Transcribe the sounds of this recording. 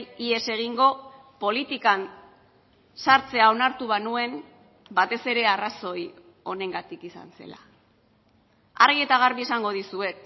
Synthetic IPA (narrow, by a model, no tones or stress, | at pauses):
ie̞se̞ɣ̞iŋɡo̞ | po̞lit̪ikan | saɾt͡se̞ao̞naɾt̪uβ̞anue̞m | bat̪e̞se̞ɾe̞araso̞j | o̞ne̞ŋɡat̪ikisa̰nse̞̰la̰ | arɣie̞t̪aɣ̞aɾβiesaŋɡo̞ð̞isue̞k